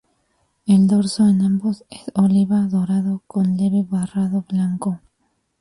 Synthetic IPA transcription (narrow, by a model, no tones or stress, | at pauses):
eld̪oɾsoenãmbosesoliβaðoɾaðokonleβeβaraðoβlaŋko